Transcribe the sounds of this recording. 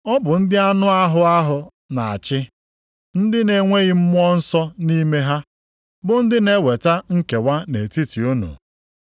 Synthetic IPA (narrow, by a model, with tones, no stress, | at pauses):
ɔ˦bʊ˨n̩˦dɪ˦a˦nʊ˦a˦ɦʊ˦a˦ɦʊ˨ | na˨a̰˨t͡ʃɪ˦ | n̩˦dɪ˦ne˨ŋʷe˦ɣɪ˦m̩˦mʊ˦ɔ˦n̩˦sɔ˦ni˦me˦ɦa˦ | bʊ˨n̩˦dɪ˦ne˦we˨ta˦ŋ̩˦ke˨wʷa˦ne˨ti˦ti˨o˦no̰˨